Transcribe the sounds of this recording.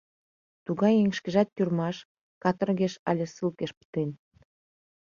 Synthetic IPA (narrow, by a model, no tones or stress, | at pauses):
t̪uɣɑjeŋʃkeʒɑt̪̚jʲyrmɑʃ | kɑt̪ə̆rɣeʃɑlʲĕsɨlkeʃpə̥t̪en